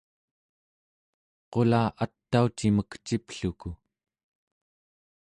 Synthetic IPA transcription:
qo̞laːʔat̪ːaut͡ʃiməkt͡ʃipɬuku

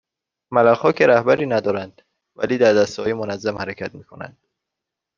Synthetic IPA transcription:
mælæxɒːcʰeɾæhbæɾiːnæd̪ɒːɾænd̪̥ | væ̰liːd̪æɾd̪æst̪hɒːjemonæzːæmhæɾecʰæt̪miːkʰo̞næ̰nd̪̥̚

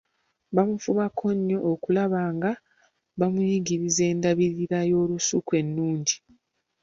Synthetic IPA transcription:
βamufumakʰo̞ɲːo̞ʔːkulaβaːŋɡa | βamujiɡiɾize̞ːndaβiɾiɾajo̞ːlusukwe̞nːuːɲɟi

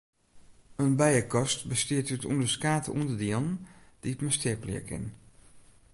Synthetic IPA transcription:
ənbɛjəkɔstbəstiətytṵndəskaːtʰəʔṵndədiɔnd̥iətmastɪəplḭəkɪ̰n

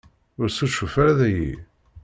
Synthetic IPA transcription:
ʊɾsuʃufaɾaðæjḭ

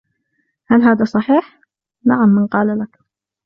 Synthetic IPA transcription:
halɦaːðasˤɑħiːħ | naʕamːɪnqɑːlalak

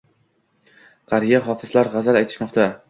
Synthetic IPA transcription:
qɑɾijaɦɒfɪzlaɾʁɑzalajt̪ʰɪ̥ʃmɒqt̪ʰa

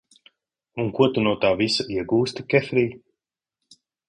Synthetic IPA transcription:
uŋkuɔt̪unuɔt̪aːvisaiɛɡuːst̪ikʲɛfɾiː

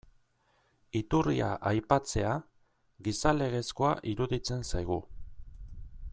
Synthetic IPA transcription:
it̪urḭa̰ʔajpat͡se̞a | ɣisale̞ɣ̞e̞sko̞aʔiɾuðit͡se̞nsajɣ̞u

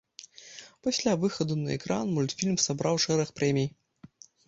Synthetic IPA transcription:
pasʲlʲavɨxɐd̪unɐɛ̰kɾanmulʲt̪fʲilʲmsabɾawʂɛɾɐxpɾɛmʲij

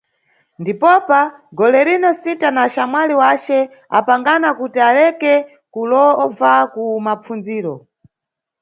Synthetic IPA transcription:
ndipɔpaɡɔlɛɾinɔsitanaʃamwaliwat͡ʃɛ | a̰paŋɡanakutialɛkɛ | kulɔvakumap͡fund͡ziːɾɔ

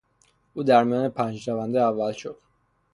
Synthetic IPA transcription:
ʔuːd̪æɾmijɑːnepʰænd͡ʒɾævænd̪eævːælʃod̪̥

